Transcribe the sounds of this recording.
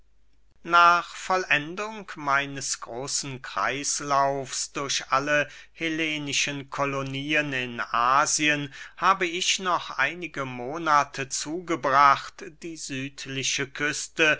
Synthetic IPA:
naːχfɔlʔɛndʊŋkmaɪnəsɡ̥ʁoːsn̩kʁ̥a̰ɪslaʊfsd̥ʊɐɕʔaləheleːnɪʃənkʰoloniːənɪnʔaːziənhaːbəɪʃnɔχʔa̰ɪnɪɡəmoːnaːtʰət͡suːɡəbʁaχtd̥iːzyːtʰlɪʃəkʰʏstə

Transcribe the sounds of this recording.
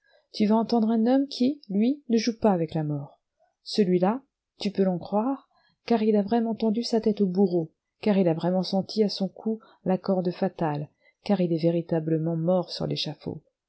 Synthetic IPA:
t̪yvaɑ̃t̪ɑ̃d̪ʁɛ̃nɔmkʲʰilɥinəʒupaːvɛklamɔːʁ | səlɥila | t̪ypølɑ̃kχwaʁ | kaʁilavʁɛmɑ̃t̪ɑ̃d̪ysat̪ɛt̪obuʁo | kaʁilavʁɛmɑ̃sɑ̃t̪ʰiasɔ̃kʰu | lakɔʁd̪əfat̪al | kaʁilɛveʁit̪abləmɑ̃mɔʁsy̰ʁlʔeʃafo̰

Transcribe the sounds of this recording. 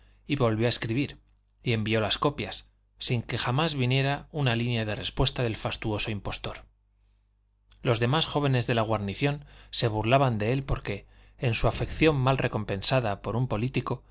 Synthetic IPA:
iβo̞lβjoaeskɾiβ̞iɾ | ie̞mbio̞lasko̞pjasː | iŋke̞xamazβinje̞ɾaunalinjað̞e̞re̞spwe̞st̪aðe̞lfast̪uo̞so̞impo̞st̪o̞ɾ | lo̞zðe̞masxo̞βe̞ne̞zðe̞laɣ̞waɾniθjo̞nse̞β̞uɾlaβand̪e̞e̞lpo̞ɾke̞ː | nsuafe̞kθjo̞mːalre̞ko̞mpẽ̞nsaðapo̞ɾumpo̞lit̪iko̞

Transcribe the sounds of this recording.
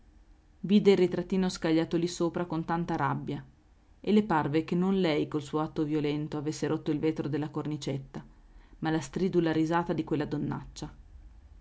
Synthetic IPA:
viːd̪eilːit̪ɾat̪ːiːnoskaʎːaːt̪olisoːpɾakont̪ant̪aɾabːja | elːeparvekenːonlɛjkolsuːoat̪ːovjolɛnt̪oavesːeɾʔot̪ːoilveːt̪ɾod̪elːakornit͡ʃet̪ːa | malast̪ɾiːd̪ulaɾizaːt̪ad̪ikwelːad̪onːa̰t͡ʃːa

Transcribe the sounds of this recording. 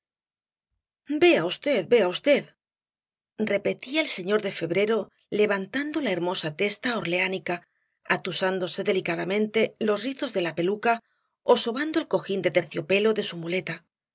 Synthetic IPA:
be̞aust̪e̞ðbe̞aust̪e̞ð | re̞pe̞t̪iaelse̞ɲo̞ɾðe̞fe̞βɾe̞ɾo̞ | le̞β̞ant̪and̪o̞lae̞ɾmo̞sat̪e̞st̪aoɾle̞anika | at̪usand̪o̞se̞ðe̞likaðamẽ̞nt̪e̞lo̞sriθo̞zðe̞lape̞luka | o̞so̞βand̪o̞elko̞xind̪e̞t̪e̞ɾθjo̞pe̞lo̞ðe̞sumule̞t̪a

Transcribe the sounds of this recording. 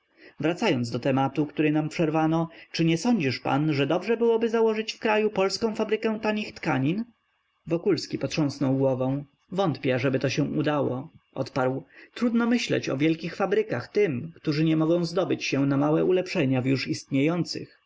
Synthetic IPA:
vɾat̪sajɔnzd̪ɔt̪ɛmat̪ukt̪uɾɛnampʂɛɾvanɔt͡ʂɘɲɛsɔɲd͡ʑiʂpa̰nʐɛd̪ɔbʐɛbɘwɔbɘzawɔʐɘt͡ɕfkɾajupɔlskɔ̃w̃fabɾɘkɛw̃t̪aɲixt̪kaɲin | vɔkulskʲipɔtʂɔ̃w̃snɔwɡwɔvɔ̃w̃ | vɔnt̪pʲɛaʐɛbɘt̪ɔɕɛ̃ud̪awɔʔɔ̰t̪paɾwt̪ɾud̪nɔmɘɕlɛ̰t͡ɕɔ̰vʲjɛlkʲixfabɾɘkaxt̪ɘmkt̪uʐɘɲɛmɔɡɔ̃w̃zd̪ɔbɘt͡ɕɕɛ̃namawɛʔulɛpʂɛɲavjuʂist̪ɲejɔnt̪sɘ̰x

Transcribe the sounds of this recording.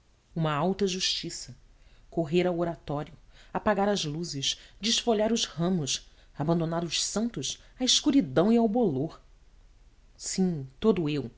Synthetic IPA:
ũmɐawt̪ɐʒuʃt͡ʃisɐkoɦeɾawoɾat̪ɔɾjʊapaɡaɾɐzluzɪʃd͡ʒɪʃfoʎaɾʊzhɐ̃mʊs | abɐ̃nd̪onaɾʊʃsɐ̃nt̪ʊʃaiʃkuɾid̪ɐ̃w̃iawboloɾ | sĩt̪od̪ʊew

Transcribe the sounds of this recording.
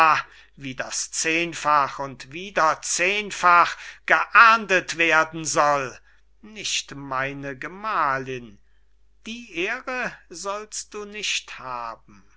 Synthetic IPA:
a | viːdast͡seːnfaχʊntviːdɐt͡seːnfaχɡ̥əʔaɐndətv̥eːɐdn̩zɔl | nɪʃtmaɪnəɡəmaːlɪn | d̥iːʔeːʁəzɔlst̚d̥uːnɪʃthaːbm̩

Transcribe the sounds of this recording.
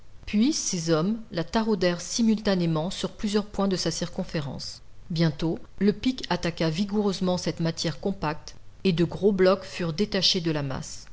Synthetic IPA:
pɥisezɔmlat̪aʁod̪ɛʁsimylt̪anemɑ̃syʁplyzjœʁpwɛ̃d̪əsasiʁkɔ̃feʁɑ̰̃s | bjɛ̃t̪oləpikat̪akaviɡuʁøzmɑ̃sɛt̪mat̪jɛʁkɔ̃pak̚t̪ed̪əɡʁoblɔkfyʁd̪et̪aʃed̪əlama̰s

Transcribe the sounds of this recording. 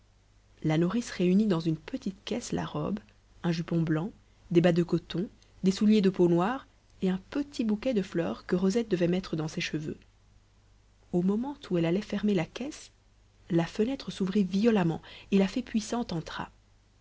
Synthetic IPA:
lanuʁisʁeynid̪ɑ̃zynpət̪it̪kʲɛsla̰ʁɔ̰b | ɛ̃ʒypɔ̃blɑ̃ | d̪ebad̪əkɔt̪ɔ̃ | d̪esuljed̪əponwaːʁ | eɛ̃pət̪ʰibukʲɛd̪əflœːʁkəʁɔzɛt̪̚d̪əvɛmɛt̪χəd̪ɑ̃seʃəvø̰ | omɔmɑ̃t̪ʰuɛlalɛfɛʁmelakʲɛs | lafənɛt̪χəsuvʁivijɔlamɑ̰̃elafɛpɥisɑ̃t̪ɑ̃t̪χa̰

